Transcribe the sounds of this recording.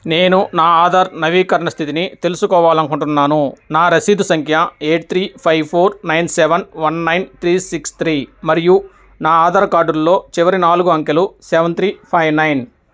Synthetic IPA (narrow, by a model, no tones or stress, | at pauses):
ne̞ːnunaːaːd̪ɐɾnɐʋiːkɐɾɐɳɐst̪ʰit̪init̪elusukɔːʋaːlɐnkuɳʈunːaːnunaːɾɐsiːd̪ʱusɐŋkʰjɐeːʈ̚t̪ɾiːpʰɐjʋpʰoːɾnɐjnseʋɐnʋɐnːɐjnt̪ʰɾiːsikst̪ʰɾiːmɐɾiju | naːaːd̪ɐɾɐkaːɖuɾlːo̞ːt͡ʃiʋɐɾinaːluɡuɐŋkelusɛːʋɐnt̪ɾiːpʰɐjʋnɐjn